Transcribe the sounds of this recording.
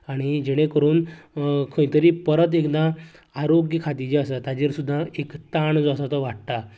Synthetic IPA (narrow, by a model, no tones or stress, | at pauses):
aɽ̃id͡ʑeɽ̃ẽkəɾuːnkʰə̃j̃t̪əɾiːpəɾət̪̬ekd̪ã | aɾoɡjəkʰat̪id͡ʑeasat̪ad͡ʑeɾsud̪ʱːãekt̪aɳd͡zasat̪əʋaʈt̪a